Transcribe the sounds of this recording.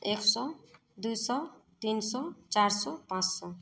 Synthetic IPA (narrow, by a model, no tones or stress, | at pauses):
eksɔ | d̪ujsɔt̪insɔt͡saɾsɔpãt͡ssɔ